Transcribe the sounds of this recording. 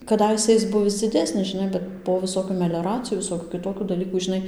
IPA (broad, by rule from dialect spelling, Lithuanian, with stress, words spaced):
kɐˈdɐɪsʲɛ ɪs ˈbʊʋʲɪs d͡zʲɪˈdʲæːsʲnʲɪs ʒʲɪˈnɐɪ ˈbʲɛt poː ʋʲɪˈsoːkʲuː mʲɛlʲoːˈrɑːt͡sʲɪjuː ʋʲɪˈsoːkʲuː kʲɪˈtoːkʲuː dɐˈlʲiːkuː ʒʲɪˈnɐɪ